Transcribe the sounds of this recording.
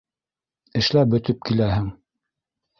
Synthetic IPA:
ɘ̆ʃlæbɵ̆t̪ɵp̚kilæhɘŋ

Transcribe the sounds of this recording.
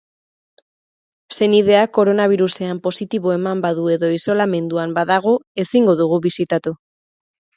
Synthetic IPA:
se̞nið̞e̞ako̞ɾo̞naβ̞iɾuse̞ampo̞sit̪iβo̞e̞mambaðue̞ðo̞iso̞lame̞nd̪uambaðaɣ̞o̞e̞siŋɡo̞ðuɣ̞uβisit̪at̪u

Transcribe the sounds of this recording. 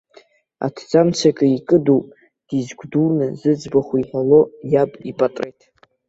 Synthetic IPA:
a̰tʰd͡zamt͡sʰakʼɨikʼɨduwpʼ | d̥izɡʷdulnɨzɨd͡zbaχʷuiħalo̞jabʼipʼatʼrejtʼ

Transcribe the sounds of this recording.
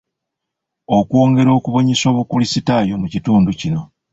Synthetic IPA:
o̞kwo̞ːŋɡe̞ɾo̞ːkuβo̞ɲeso̞ːβukulisitaːjomucituːnducino̞

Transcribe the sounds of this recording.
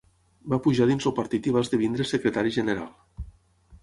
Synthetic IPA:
bapuʒaðinzowpaɾt̪it̪iβ̞azðeβind̪ɾesekɾet̪aɾiʒeneɾa̰lˠ

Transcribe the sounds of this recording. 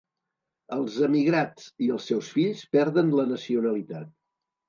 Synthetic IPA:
əlˠzəmiɣɾat͡siəlˠsːɛwsfiʎspɛɾðənlənəsiunəlit̪at̪̚

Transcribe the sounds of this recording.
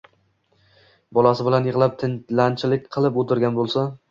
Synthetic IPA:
bɒlˠasɪbɪlanjɪʁlˠap̚t̪ʰɪnlant͡ʃʰɪlɪk̚ʲqʰɨlˠɪpot̪ʰɪɾɡʲanbolˠsa

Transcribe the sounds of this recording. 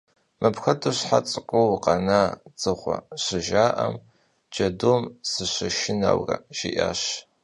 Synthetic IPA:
mʔɨpʰxɐtʰoɕħat͡sʼɨqʷʼowqʼɑnat͡sʼɨʁʷɔ̰ɕɨʒaːʔɐm | d͡ʒɐdoːmsɨɕʷɐʃɪna̰wrɐ̰ʒɪʔaːɕ

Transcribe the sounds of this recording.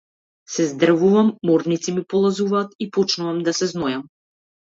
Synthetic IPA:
sɛzd̪r̩vuvamːɔɾd̪nit̪simipɔlˠazuvaːt̪ipɔt͡ʃnuvamd̪asɛznɔjam

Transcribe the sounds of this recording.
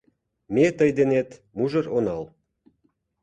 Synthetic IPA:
met̪əjd̪enet̪ | muʒə̆ronɑl

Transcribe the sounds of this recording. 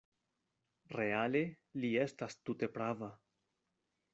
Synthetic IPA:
ɾe̞ale̞ | lie̞stastute̞pɾava

